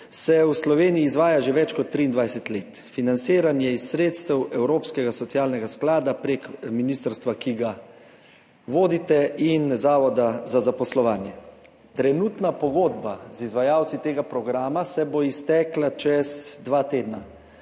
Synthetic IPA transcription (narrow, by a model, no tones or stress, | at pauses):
sɛwuslɔʋeːnijiːzʋaːjaʒeʋɛt͡ʃkɔt̪ːɾiːnd̪ʋajsɛt̪leːt̪ | finant̪siːɾanjɛisːɾeːt̪st̪ɛwɛwɾoːpskɛɡasɔt̪sijaːlnɛɡasklaːd̪apɾeːkminiːst̪əɾst̪ʋakiɡa | ʋoːd̪it̪ɛinzaːʋɔd̪azazapɔslɔʋaːnjɛ | t̪ɾɛnuːt̪napɔɡoːd̪bazizʋajaːwt̪sit̪eːɡapɾɔɡɾaːmasɛboist̪ɛklat͡ʃɛzd̪ʋaːt̪eːd̪na